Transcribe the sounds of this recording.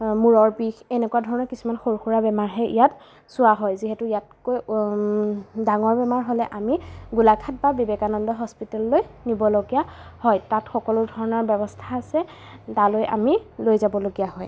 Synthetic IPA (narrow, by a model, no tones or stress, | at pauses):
muɹɔɹbixɛnɛkuwadʱɔɹɔnɔɹkisumanxoɹxuɹabɛmaɹɦɛʔḭjat | sʊaɦɔjziɦɛtʊijat̚koj | daŋɔɹbɛmaɹɦolɛʔamiɡulakʰat̚babibekanɔndɔɦɔspitallojnibɔloɡijahɔjtatxɔkɔlʊdʱɔɹɔnɔɹbɛbɔstʰaːsɛ | talojʔa̰milojzabɔloɡijaɦɔj